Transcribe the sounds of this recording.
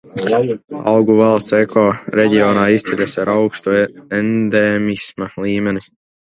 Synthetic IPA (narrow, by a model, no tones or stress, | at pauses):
a̰wɡuvalˠst̪sekʰɔɾeɟiɔːnaːist̪sʲilʲasaɾawkst̪uend̪ɛmismalˠiːmɛni